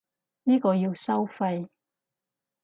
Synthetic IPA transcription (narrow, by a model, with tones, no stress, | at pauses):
niː˥kɔː˧jiː˧wsɐ˥wfɐ˧j